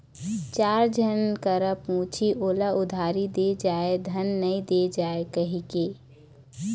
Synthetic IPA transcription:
t͡ʃaːɾd͡ʒʱənkəɾəpũːt͡ʃʰiʔoːlaʊd̪ʱaːɾid̪ed͡ʒaːed̪ʱənːəĩd̪ed͡ʒaːekəɦike

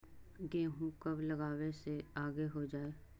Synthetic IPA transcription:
ɡẽːɦũkɐblɐɡaːweseaːɡeɦod͡ʒaːeː

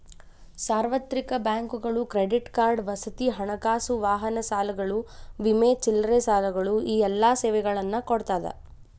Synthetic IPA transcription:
saːɾʋɐt̪ɾikɐbjaːŋkuɡɐɭukɾeɖiʈkaːɾɖʋɐsɐt̪iɦɐɳɐkaːsuʋaːɦɐnɐsaːlɐɡɐɭuʋimeːt͡ʃilɾesaːlɐɡɐɭuiːɛlːaːseːʋɛɡɐɭɐnːɐkoɽt̪aːd̪ɐ̰

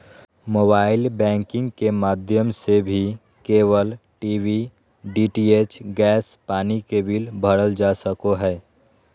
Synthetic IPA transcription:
moːbaːɪlbɛ̃ːŋkɪ̃ŋɡkemaːd̪ʱjəmsebʱi | keːʋəlʈiːʋi | ɖiːʈiːeːt͡ʃɡɛːspaːnikebiːlbʱəɽəld͡ʒaːsəkoɦɛː

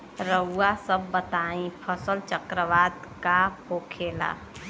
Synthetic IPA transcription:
ɾəʊasəbːət̪aĩpʰəsəlt͡ʃəkɾəʋaːd̪kahokʰeːla̰

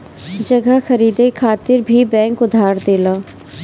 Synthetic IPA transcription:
d͡ʒəɡaxəɾiːd̪ekʰaːt̪ɪɾbʱibɛ̃ːŋkʊd̪ʱaːɾd̪eːlaː

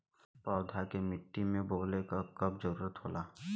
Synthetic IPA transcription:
pɔːd̪ʱakemɪʈːimẽboːlekakɐb̚zəɾuːɾət̪ɦoːlaː

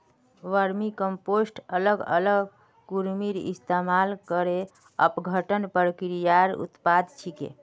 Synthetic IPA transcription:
ʋəɾmikəmposʈələɡə̰ləɡ | kuɾmiɾḭst̪emalkəɾe | ə̰pɡʱəʈənpəɾkiɾijaɾṵt̪pad̪t͡ʃʰikḛ

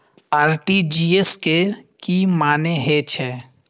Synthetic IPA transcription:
aːɾʈid͡ʒiːeskekimaːneɦet͡ʃʰɛː

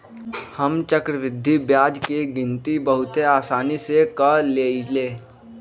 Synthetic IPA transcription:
həmt͡ʃəkɾəʋɪd̪ʱːibjaːd͡ʒkeɡɪ̃nt̪ibɐɦʊt̪eaːsaːnisekəleːleː

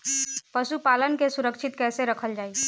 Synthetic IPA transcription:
pəsupalənkesuɾəkt͡ʃʰit̪kɛseɾəkʰəld͡ʒaːi

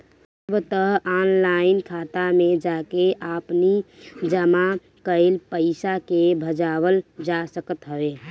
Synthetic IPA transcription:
bt̪əɦanlaɪnkʰat̪amẽd͡ʒakeʔapnid͡ʒəma | kəɪlpəɪsakebʱəd͡ʒaːwəld͡ʒasəkət̪ɦəbe

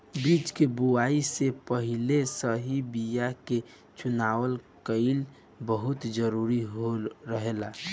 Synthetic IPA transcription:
biːt͡ʃkebuaːisepəɦilesəɦibijake | t͡ʃʊnaːwəlkəɪl | bəɦʊt̪d͡ʒəɾuɾiɦoɾəɦela

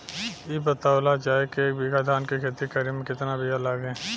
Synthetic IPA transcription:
jebɐt̪aːlat͡ʃaːɦekeːk̚bɪɡad̪ʱaːnkekʰeːt̪ikəɾimẽkɪt̪nabʱijalaɡɛ̃ː

